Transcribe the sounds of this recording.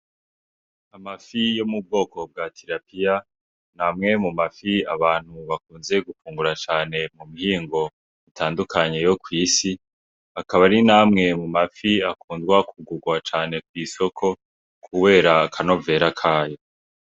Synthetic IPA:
amafijo̞mub̚ɡo̞ːko̞b̚ɡatʰiɾapija | namŋe̞mumafia̰βaːn̥huβakuːnze̞ɡufuːŋɡuɾat͡ʃaːne̞mumihiːŋɡo̞ | itʰaːndukʰaɲe̞jo̞kwiːsi | akaβaɾinaːmŋe̞mumafiakuːndɡwakʰuɡuɡwat͡ʃaːne̞kwiːso̞kʰo̞ | kʰuβe̞ːɾakʰano̞ve̞ɾakʰaːjo̞

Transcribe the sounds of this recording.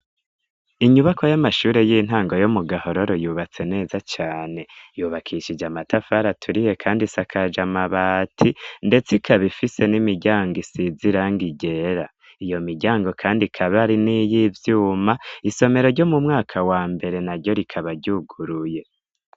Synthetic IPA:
iɲuβakojamaʃuːɾe̞jiːn̥aːŋɡo̞jomuɡaho̞ɾo̞ɾojuːβat͡se̞ne̞ːzat͡ʃaːne̞juːβakʰiʃid͡ʒamatʰafaɾatʰuɾije̞kʰaːndisakʰad͡ʒamaβaːtʰinde̞t͡sikʰaβifise̞nimiɟaːŋɡisiziɾaŋɡiɟe̞ɾa | ijo̞miɟaːŋɡo̞kʰaːndikʰaβaɾinijivjuːmaiso̞me̞ɾo̞ɾɟomumŋaːkʰawaːmbe̞ɾe̞naɾɟo̞ɾikʰaβaɟuɡuɾuje̞

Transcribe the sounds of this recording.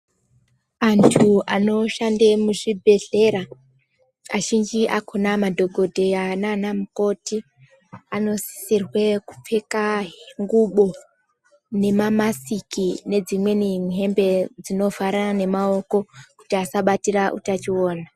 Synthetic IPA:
antʰuano̞ʃandemuʐibʱe̞ɮe̞ɾa | aʒind͡ʒiʔakʰunamadʱo̞ɡʱo̞dʱeananamuko̞ti | ano̞si̥sirweku̥p͡fekaŋɡuɓo̞ | ne̞mamasikine̞d͡zimwe̞niŋɦe̞mbe̞d͡zino̞vaɾaane̞mao̞ko̞ku̥tiasaɓatiraʔṵtat͡ʃioːna

